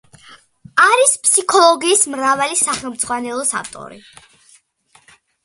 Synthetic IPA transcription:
aɾispʰsikʰɔlˠɔɡiːsmɾavalisaχɛlˠmd̪zʁwanɛlˠɔsa̰ft̪ʼɔ̰ɾḭ

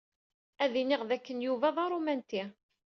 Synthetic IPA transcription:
æðiniʁðækːənjuvæðˤɑɾˤumænt̪i

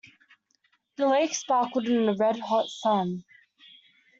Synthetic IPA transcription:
ðəleɪksbɑkwəɾɪ̃nɪ̃nəɹɛd̚ɦɒtsʌ̃n

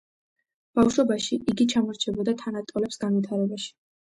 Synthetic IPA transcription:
b̥afʃɔbaʃiʔiɡit͡ʃʰamɔɾt͡ʃʰɛbɔd̪at̪ʰanat̪ʼɔlɛpsɡanwit̪ʰaɾɛbaʃi̥

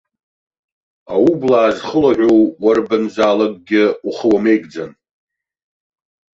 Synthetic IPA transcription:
awublaːzχəlaʕʷowwarbɨnzaːlakʼɡʲɪuχəwame̞jɡd͡zan

